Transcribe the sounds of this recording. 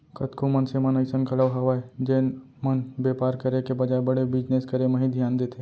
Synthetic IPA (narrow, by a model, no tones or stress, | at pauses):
kɐt̪kʰomənsemɐnəɪsənkʰɐɽəʋɦɐʋaːed͡ʒeːn | mənbeːpaːɾkəɾekebɐd͡ʒaːebɐɽebɪd͡ʒneskəɾemɐ̃ɦĩd̪ʱjaːnd̪eːt̪ʰeː